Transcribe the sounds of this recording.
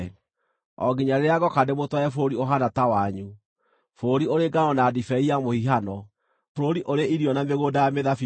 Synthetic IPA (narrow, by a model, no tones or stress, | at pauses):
ɔ̰ɡiɲaɾeɾeaɡɔkandemotwɔɛfoɾioɦanatawaɲu | foɾioɾeɡaɔnaːdifɛiamohiɦanɔ | fɾoɾiʔoɾeʔiɾiɔnameɣodajameðafi